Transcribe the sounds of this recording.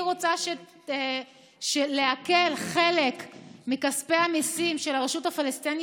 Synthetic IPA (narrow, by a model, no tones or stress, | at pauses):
ʁot͡saʃe | ʃele̞ake̞lχe̞le̞kmikaspeamisimʃe̞laʁeʃuthafalest̪in